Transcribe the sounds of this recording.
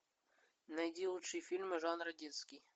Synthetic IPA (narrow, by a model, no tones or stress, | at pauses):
nɐjdʲilˠutʂɨjfʲilʲmɨʐanrɐdʲinskʲij